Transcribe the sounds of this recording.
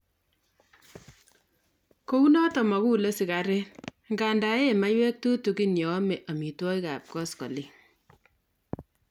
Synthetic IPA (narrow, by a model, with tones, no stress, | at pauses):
ko˦u˦nɔ˦tɔ˨mɔ˨ku˦le˦si˨ka˨ɾe˦n | ŋɡa˨nda˨e˦˨ma˦jwɛ˦k̚tu˦tu˨ki˦njɔ˨˦me˨ʔa˨mi˨twɔ˦ika̰˨p̚kɔ˦skɔ̰˨li˦